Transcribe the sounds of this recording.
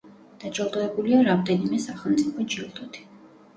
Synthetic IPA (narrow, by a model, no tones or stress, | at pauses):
d̪̥ad͡ʒʼɔlˠd̪ɔɛbuliaɾamd̪ɛnimɛsaχɛlˠmt̪sʼipʰɔd͡ʒilˠt̪ʼɔt̪ʰi̥